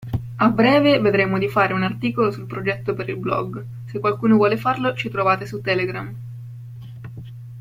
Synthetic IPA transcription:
abːɾɛːveved̪ɾeːmod̪ifaːɾeunart̪iːkolosulpɾod͡ʒɛt̪ːopeɾilblɔ̰ɡ | sekwalkuːnovwɔːlefarlot͡ʃit̪ɾovaːt̪esut̪ːɛːleɡɾam

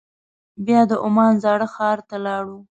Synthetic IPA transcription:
bjɑd̪əʔʊmɑnzɑɽəxɑɾt̪alɑɽu

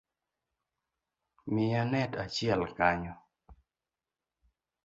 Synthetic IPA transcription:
mɪanɛtat͡ʃjɛlkaɲɔ

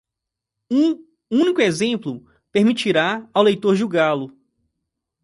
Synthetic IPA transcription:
ũ | ũnikʊezẽmplʊ | peɾmit͡ʃiɾaawlejt̪oɾʒuɡalʊ

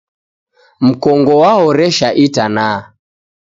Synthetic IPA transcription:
m̩kɔŋɡɔwaɦɔɾɛʃaʔitanaː

